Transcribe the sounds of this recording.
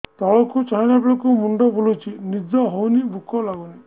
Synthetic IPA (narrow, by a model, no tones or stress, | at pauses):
t̪ɔɭɔkʰut͡ʃaɦinabiɭɔkumuɳɖɔbulut͡ʃʰinid͡ʒɔɦɔwnibukʰɔlaɡuni